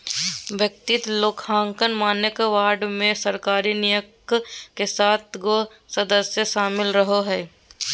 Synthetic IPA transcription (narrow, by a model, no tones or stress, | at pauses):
ʋjək̚t̪ɪt̪loːkʰãːŋkənmaːnjəkʋaːɾɖmẽsəɾkaːɾinijək | kesaːt̪ʰɡo | səd̪əsjəʃaːmɪlɾəɦoɦɛː